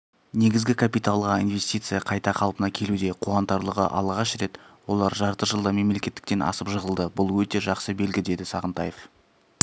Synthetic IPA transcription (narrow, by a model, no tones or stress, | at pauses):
ne̞ɡʲɪzɡʲɪkʰapijt̪alˠʁɑinve̞st̪ʲijt̪sɨjɑqʰɑjt̪ɑqʰɑlˠpənɑkʲʰe̞lud̪e̞qʰuɑnt̪ɑɾlˠəʁə̰ʔɑ̰lˠʁɑʃɾe̞t̪wo̞lˠɑɾʒɑɾt̪əʒəlˠd̪əme̞mle̞kʲe̞t̪ːɪk̚t̪e̞nʔɑ̰səpʒəʁəlˠd̪əbʊlˠwɵt̪e̞ʒɑqsəbe̞lɡʲɪd̪e̞d̪ɪsɑʁənt̪ɑjef